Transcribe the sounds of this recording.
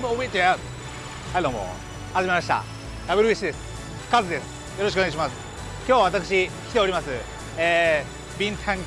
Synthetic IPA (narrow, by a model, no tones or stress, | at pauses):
moomoit͡ɕea | haid̪oːmo̰ | haʑime̞maɕi̥t̪a̰ | jaβeɾɯiɕid̪e̞sɨ̥ | kazɨd̪e̞sɨ̥ | joɾoɕikoneaiɕimasɨ̥ | kʲjoːβaβat̪akɯ̥ɕ̬ikʲi̥t̪e̞oɾʲimasɨ | eː | bʲĩnt̪ʰãŋ